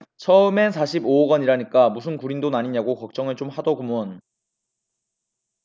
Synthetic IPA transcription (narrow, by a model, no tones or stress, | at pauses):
t͡ɕʰʌɯme̞s̬ʰaɕʰiboːɡʌɲiɾaɲik͈amusʰɯnkuɾindonaɲiɲaɡokʌk̚t͡ɕ͈ʌŋɯɭt͡ɕomhadʌɡumʌn